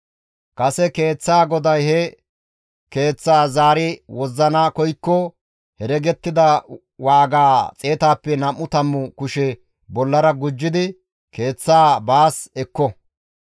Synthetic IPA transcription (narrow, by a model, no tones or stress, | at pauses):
kʼɐsɛke̞ːt͡sːaːɡɔd̪ɐjhɛ | ke̞ːt͡sːaːzaːɾɪwɔzːɐnakɔjkːɔ | hɛɾɛɡɛt̪ːɪd̪ɐ | waːɡaːt͡sʼe̞ːt̪aːpːɛnɐmːʊt̪ɐmːʊkʊʃɛ | bɔlːɐɾɐɡʊd͡ʒːɪd̪ɪ | ke̞ːt͡sːaːbaːsɛkːɔ